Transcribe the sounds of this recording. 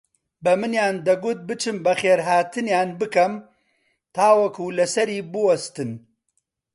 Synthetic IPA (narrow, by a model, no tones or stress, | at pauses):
bɐmɨnjaːnd̪ɐɡʊt̪̚bɨt͡ʃʰɨmbɐxeːɾɦaːt̪ɨnjaːnbɨkɐm | t̪ʰaːwɐkulɐsɐɾiːbɨwɐst̪ɨn